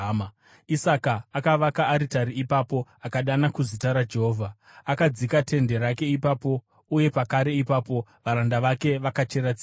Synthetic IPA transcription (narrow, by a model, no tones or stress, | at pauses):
m | isakaːkaʋakaːɾitaɾiipapo̞akaɗanakuzitaɾad͡ʒe̞ɦoːvʱa | akad͡zikate̞nde̞ɾake̞ipapo̞ | uje̞pakaɾe̞ipaːpo̞ʋaɾandaʋake̞ʋakat͡ʃe̞ɾat͡si